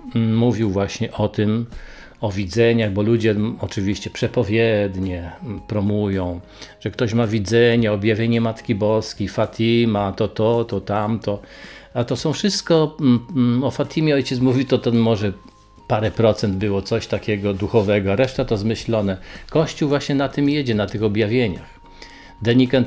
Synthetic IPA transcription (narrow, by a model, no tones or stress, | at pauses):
muvʲiwvwaɕɲɛʔɔt̪ɪm | ɔvʲid̪zɛɲaɣbɔlud͡ʑɛɔt͡ʂɘvʲiɕt͡ɕɛpʂɛpɔvʲjɛd̪ɲɛpɾɔmujɔ̃w̃ | ʐ̥ɛkt̪ɔɕmavʲid̪zɛɲaɔbjavʲjeɲɛmat̪kʲibɔskʲejfat̪ʲʰimat̪ɔt̪ɔt̪ɔt̪amt̪ɔat̪ɔsɔ̃w̃fʂɘst̪kɔ | ɔfat̪ʰʲimʲjɛɔjt͡ɕɛt̪smuvʲit̪ɔt̪ɛmɔʐɛ | paɾɛpɾɔt̪sɛnd̪bɘwɔt̪sɔɕt̪akʲɛɡɔd̪uxɔvɛɡɔaɾɛʂt̪at̪ɔzmɘɕlɔnɛkɔɕt͡ɕuwvwaɕɲɛnat̪ɘmjed͡ʑɛnat̪ɘxɔbʲjavʲjeɲa̰x | d̪ɛɲʲikant̪